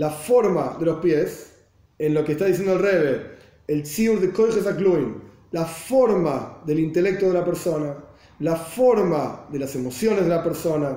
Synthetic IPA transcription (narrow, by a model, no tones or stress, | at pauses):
lafoɾmaðelohpjes | enlokest̪aðis̬end̪oelreβeː | lt͡siuɾðekojχes̬aklujm | lafoɾmaðelint̪elek̚t̪oðelapeɾsona | lafoɾmaðelasemosjonezðelapeɾsona